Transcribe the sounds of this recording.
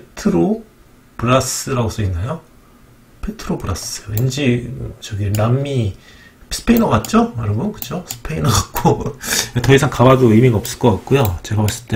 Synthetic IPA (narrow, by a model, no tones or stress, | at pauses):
ppetʰɯɾo | puɾas͈ɯɾaɡos͈ʰʌinːajo | pʰe̞tʰɯɾopuɾas͈ɯend͡ʑit͡ɕʌɡienamːi | s͈ʰɯ̥pʰeinʌɡat̚t͡ɕ͈omaɾɯbunkɯ̥t͡ɕʰosʰɯ̥pʰeinʌɡat̚k͈oetʌisʰaŋkabadoimiɡaʌp̚s͈ɯ̥ɭk͈ʌk͈at̚k͈ujot͡ɕe̞ɡaβas͈ɯɭt͈e